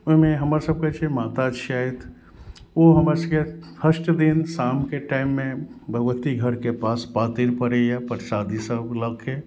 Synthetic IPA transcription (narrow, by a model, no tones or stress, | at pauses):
ʊmẽɦɐmaɾsəb̚ket͡ʃʰemaːt̪ad͡ʒʃaːet̪ʰ | oɦɐməskefʰəʃʈd̪ɪnsaːmkeʈaːɪmːẽbʱɐɡʋət̪iɡʱəɾkepaːspaːt̪iɾpəɾejapəɾsaːd̪isəbləkʰe